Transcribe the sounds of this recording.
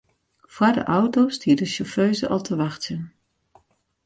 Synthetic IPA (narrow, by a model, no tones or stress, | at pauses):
v̥adə̰ʔɔwtowstiːdəʃɔføɥzəʔɑlˠtʰəʋɑχtsən